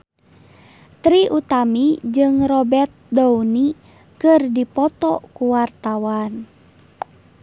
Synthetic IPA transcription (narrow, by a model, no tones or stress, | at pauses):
t̪ɾiʔut̪amid͡ʒɨŋrɔbɛrt̪̚douni | kɨrdipɔt̪ɔkuwart̪awan